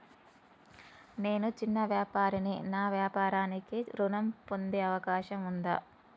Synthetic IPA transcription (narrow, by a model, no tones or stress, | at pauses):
ne̞ːnut͡ʃinːɐʋjaːpaːɾininaːʋjaːpaːɾaːnikiɾunɐmpo̞nd̪eːɐʋɐkaːʃɐmund̪a̰ː